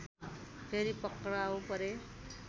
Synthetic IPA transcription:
pʰeɾipʌkɾawpʌɾe

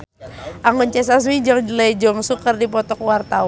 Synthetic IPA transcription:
ʔaŋunt͡ʃɛs̬as̬mid͡ʒɔŋd͡ʒəlajd͡ʒɔŋsukərdip̬ɔt̪ɔkwart̪a

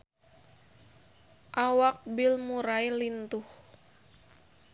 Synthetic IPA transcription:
ʔawak̚bilmuɾajlint̪uh

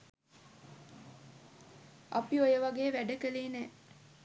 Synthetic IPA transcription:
apiojəʋaɡeːʋæɖəkəliːnɛ

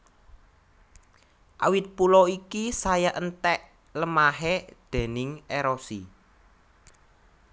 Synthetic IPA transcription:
ʔa̰wɪt̪̚pulɔikisajaʔənt̪ɛʔ | ləmaɦed̪̥e̤nɪŋeɾosi

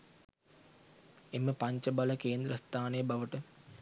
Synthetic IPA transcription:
emːəpaɲt͡ʃəbaləkeːnd̪ɾəst̪ʰaːnejəbaʋəʈə

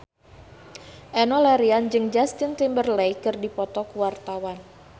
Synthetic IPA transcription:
ʔɛnɔlaɾiand͡ʒɨŋd͡ʒast̪int̪imbərlɛjkɨrdipɔt̪ɔkuwart̪awan

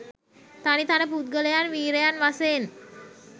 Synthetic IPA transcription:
t̪anit̪anəp̬ut̪̚ɡələjanʋiːɾəjanʋaseːn

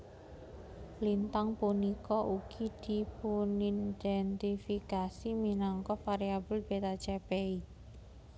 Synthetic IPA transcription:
lint̪aŋpunikɔʔuɡ̥id̪̥i̤punind̪̥ɛnt̪ifikasiminɔŋkɔfaɾiabəlb̥et̪at͡ʃɛpei

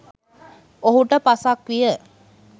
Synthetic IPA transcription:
oɦuʈəpasakʋijə

